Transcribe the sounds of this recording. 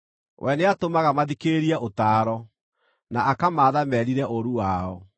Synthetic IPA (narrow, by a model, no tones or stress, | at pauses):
wʔɛneatomaɣamaðikeɾiɛʔotaːɾɔ | naʔakamaːðamɛɾiɾɛʔoɾuwaɔ